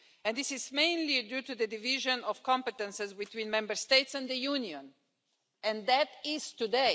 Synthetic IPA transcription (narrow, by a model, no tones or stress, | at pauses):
ɛ̃nd̪ɪsɪzmẽɪ̃nlidjut̪ud̪əd̪ɨvɪʒə̃nɔv̥kɔ̃mpət̪ɛ̃nsɛzbit̪wĩːnmɛ̃mbəɹst̪eɪtsɛ̃nd̪əjuniɔ̃n | ɛ̃nðætɪz̥t̪ude